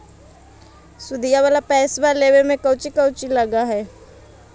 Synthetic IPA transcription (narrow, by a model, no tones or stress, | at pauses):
sʊd̪ijaʋaːlapɛːsbaleːʋemẽkəʊt͡ʃikəʊt͡ʃilɐɡaɦɛː